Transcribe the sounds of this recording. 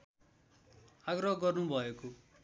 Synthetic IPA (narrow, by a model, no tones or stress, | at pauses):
aɡrʌɦɡʌrnubʱʌeko